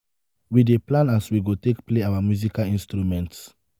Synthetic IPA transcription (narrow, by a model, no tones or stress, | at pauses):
wideplãnaswiɡotekpleawamjuzikalĩnstɾumɛ̃nts